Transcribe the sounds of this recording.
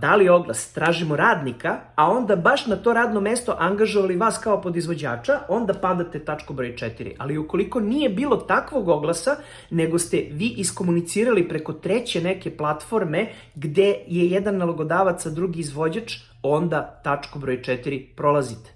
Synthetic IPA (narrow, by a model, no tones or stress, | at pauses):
d̪alio̞ɡlˠa̰st̪ɾaːʒimo̞ɾaːd̪nikaːo̞nd̪abaʃnat̪o̞ɾaːd̪no̞mest̪o̞ʔaŋɡaʒoʋaliʋaːskaopod̪izʋo̞d͡ʑaːt͡ʂaʔo̞nd̪apad̪at̪et̪at͡ʂkobɾojt͡ʃɛt̪iɾḭʔaliuko̞liko̞nije̞biːlˠo̞t̪akʋo̞ɡo̞ɡlasa | neɡost̪eʋiːʔisko̞munit̪siːɾalipɾeko̞t̪ɾet͡ɕe̞neke̞plˠat̪fo̞ɾme | ɡd̪e̞jejɛd̪anːalˠoɡo̞d̪aːʋat̪sad̪ɾuɡiːzʋo̞d͡ʑat͡ʂ | o̞nd̪at̪at͡ʂkobɾo̞jt͡ʃɛt̪iɾipɾolˠazit̪e̥